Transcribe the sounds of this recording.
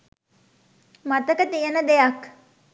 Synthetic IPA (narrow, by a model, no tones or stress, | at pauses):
mat̪əkət̪ijənəd̪ejak